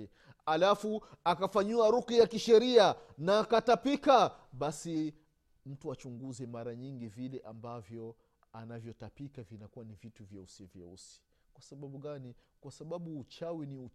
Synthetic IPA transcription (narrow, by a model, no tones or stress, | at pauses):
alafuakafaɲiaɾukijakiʃɛɾianaːkatapika | ɓasi | m̩tuat͡ʃuŋɡuzɛmaɾaɲiŋɡivilɛʔambavjɔ | anavjɔtapikavinakuwanivituvjausɛvjɛ̰ṵsi̥ | kwasaɓaɓuɠanikwasaɓaɓuːt͡ʃawiniu